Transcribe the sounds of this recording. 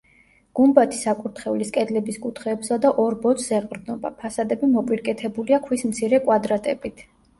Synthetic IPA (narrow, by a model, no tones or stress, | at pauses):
ɡ̥umbat̪ʰi̥sakʼuɾt̪ʰχɛuliskʼɛd̪lɛbiskʼut̪ʰχɛːbsad̪aʔɔɾbɔt̪sʰzɛqʼɾd̪nɔba̰pʰasad̪ɛbimɔpʼiɾkʼɛt̪ʰɛbuliakʰwismt̪sʰiɾɛkʼwad̪ɾat̪ʼɛbit̪ʰ